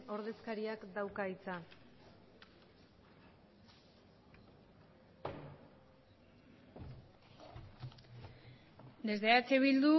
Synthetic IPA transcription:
o̞ɾð̞e̞skaɾiakd̪awkait͡sa | d̪e̞zðeat͡seβild̪u

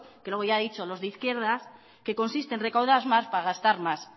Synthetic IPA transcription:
kelwo̞ɣ̞oʝaðit͡ʃo̞lo̞zðeiθkje̞ɾð̞as | ke̞ko̞nsist̪e̞nre̞kawð̞azmaspaaɣ̞ast̪aɾmas

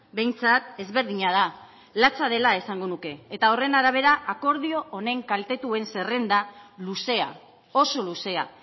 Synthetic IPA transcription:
be̞jnt͡sat̪e̞zβe̞ɾðiɲað̞a | lat͡sað̞e̞lae̞saŋɡo̞nuke̞ːt̪ao̞re̞naɾaβ̞e̞ɾaako̞ɾð̞io̞ʔːne̞ŋkalt̪e̞t̪ue̞nse̞re̞nd̪aluse̞a̰ | o̞so̞luse̞a̰

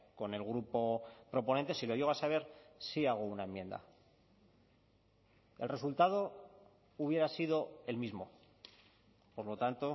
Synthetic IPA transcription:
ko̞ne̞lɣɾupo̞pɾo̞po̞nẽ̞nt̪e̞silo̞ʝeɣoasaβ̞e̞ɾsiaɣ̞ounaẽ̞mje̞nd̪a̰ | e̞lre̞s̬ult̪að̞o̞ | uβje̞ɾasiðo̞e̞lmizmo̞ | po̞ɾlo̞t̪ant̪o̞

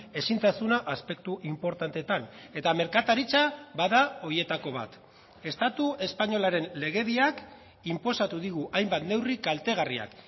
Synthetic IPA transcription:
e̞sintt͡s̪asunaʔaspe̞k̚t̪uʔimpo̞ɾt̪ant̪e̞t̪ane̞t̪ame̞ɾkat̪aɾit͡sabaðao̞je̞t̪ako̞β̞a̰t̪ | e̞st̪at̪ue̞spaɲo̞laɾe̞nle̞ɣe̞βiak | impo̞sat̪uðiɣ̞uʔajmbat̪ne̞wrikalt̪e̞ɣ̞aria̰k

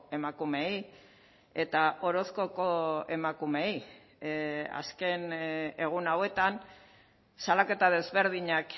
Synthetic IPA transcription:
e̞makume̞j | e̞t̪aʔo̞ɾo̞sko̞koe̞makume̞j | a̰ske̞ne̞ɣ̞unawe̞t̪an | salake̞t̪að̞e̞zβe̞ɾð̞iɲak

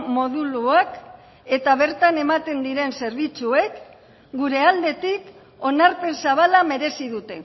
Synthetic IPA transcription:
mo̞ðuluak | e̞t̪aβ̞e̞ɾt̪ane̞mat̪e̞nd̪iɾe̞nse̞ɾβ̞it͡sue̞k | ɡuɾe̞ald̪e̞t̪ik | o̞naɾpe̞nsaβalame̞ɾe̞siðut̪e̞

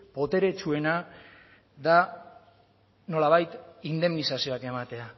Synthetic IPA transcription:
po̞t̪e̞ɾe̞t͡ʃue̞na | ða | no̞laβ̞ajt̪ind̪e̞mnisasio̞ake̞mat̪e̞a

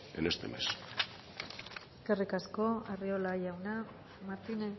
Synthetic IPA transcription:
ḛnest̪ḛmḛs | eskerikasko̞ariolajawna | maɾt̪ine

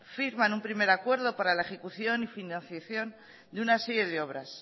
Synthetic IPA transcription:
fiɾmanumpɾime̞ɾakwe̞ɾð̞o̞paɾalae̞xe̞kuθjo̞nifinãn̟θjaθjo̞n | d̪eunaseɾjeðeo̞β̞ɾas

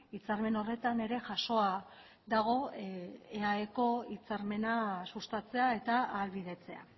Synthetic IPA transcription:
it͡saɾme̞no̞re̞t̪ane̞ɾe̞ʝaso̞a | ðaɣ̞o̞ | eaeko̞it͡saɾme̞nasust̪at͡se̞ae̞t̪aːlβiðe̞t͡se̞a̰

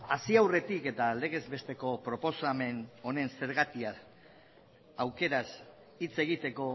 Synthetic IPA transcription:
asiawre̞t̪ike̞t̪ale̞ɣ̞e̞zbe̞st̪e̞ko̞pɾo̞po̞same̞no̞ne̞nse̞ɾɣat̪ia | awke̞ɾas | it͡se̞ɣ̞it̪e̞ko̞

